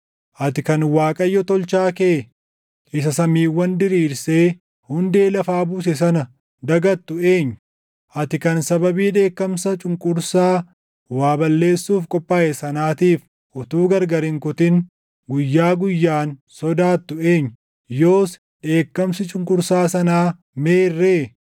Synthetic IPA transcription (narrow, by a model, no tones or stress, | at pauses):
ʔɐt̪ɪkɐnwaːkʼɐjːɔt̪ɔlt͡ʃaːkeː | ʔɪs̬ɐsɐmiːwːɐnd̪ɪɾiːɾse̞ː | hʊnd̪e̞ːlɐfaːbuːs̬ɛs̬ɐnɐ | d̪ɐɡɐt̪ːʊe̞ːɲːʊ̥ | ʔɐt̪ɪkɐnsɐbɐbiːᶑe̞ːkːɐmsɐt͡ʃʼʊŋkʼʊɾsaː | waːbɐlːe̞ːsːuːfkʼɔpʼːaːʔɛsɐnaːt̪iːf | ʔɔt̪uːɡɐɾɡɐɾɪŋkʊt̪ɪn | ɡʊjːaːɡʊjːaːnsɔd̪aːt̪ːʊe̞ːɲː | jo̞ːs | ᶑe̞ːkːɐmsɪt͡ʃʼʊŋkʼʊɾsaːsɐnaː | me̞ːrːeː